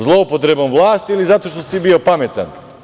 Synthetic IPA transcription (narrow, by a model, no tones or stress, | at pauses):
zlˠopɔt̪ɾɛbamvlˠaːst̪ilizat̪oʃt̪osibiopamɛt̪a̰n